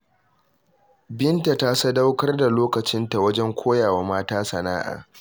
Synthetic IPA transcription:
bɪ˦nta˨taː˦sa˦da˦wkɐ˦rda˨loː˦kɐ˨t͡ʃɪ˦nta˨wɐ˦d͡ʒɛ˦ŋkʷʰoː˦jaː˨waː˨maː˦taː˦sɐ˨naː˦ʔa̰ː˨

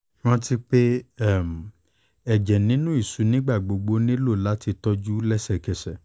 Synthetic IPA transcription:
w̃ɔ̃˦ti˧k͡pe˦ɛ˦˨m˨ | ɛ˨d͡ʒɛ˨nĩ˨˦nũ˦i˦˨su˨˦nĩ˦ɡ͡ba˦˨ɡ͡bo˨ɡ͡bo˨˧nĩ˦lo˦˨la˨˦ti˧tɔ˦d͡ʒu˦lɛ˦sɛ˨kɛ˨sɛ˨

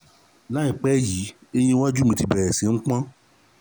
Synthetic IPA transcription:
la˦i˦˨k͡pɛ˦ji˨˦e˦je˦wa˦d͡ʒu˦mĩ˧ti˧bɛ˨ɾɛ˨si˨˦ŋ̩̃˦k͡pã˦

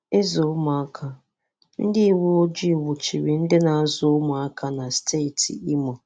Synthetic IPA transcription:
e˦zʊ˨ʊ˦mʊ˨a˦kʰa˨ | n̩˦dɪ˦i˨wo˦o˦d͡ʒi˦˨wʊ˨t͡ʃi˨ɾi˨n̩˦dɪ˦na˨a˦zʊ˦ʊ˦mʊ˨a˦kʰa˨na˨stʰe˦˨ti˨i˦mɔ˨

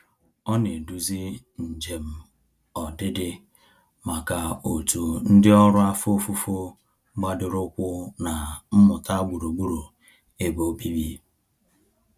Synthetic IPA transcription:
ɔ˦ne˨du˨zi˦ | n̩˨d͡ʒe˨m̩˦ | ɔ˨dɪ˦dɪ˦ | ma˨ka˨o˨tu˨n̩˦dɪ˦ɔ˦ɾʊ˦a˦fo˦fu˦fo˦ | ɡ͡ba˦dɪ˨ɾʊ˦kʷʊ˦na˨m̩˦mʊ˨ta˦ɡ͡bu˨ɾu˨ɡ͡bu˦ɾu˨ | e˦bo˦bi˦bi˦

